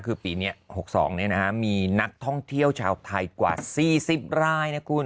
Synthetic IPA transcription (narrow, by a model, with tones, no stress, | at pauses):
kʰɯː˧piː˨˩ni˦˥ɐho˨˩k̚sɔ̰ː˩˦ŋni˥˩na˦˥kʰa˦˥miː˧na˦˥k̚t̪ʰɔ˥˩ŋt̪ʰi˥˩əwt͡ɕʰaː˧wt̪ʰa˧jkwa̰ː˨˩siː˨˩si˨˩p̚ɾaː˥˩jna˦˥kʰu˧n